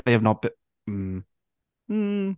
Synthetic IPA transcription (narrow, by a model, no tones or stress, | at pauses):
ðeɪɨvnət̚b̥ɪ | m̩ | m̩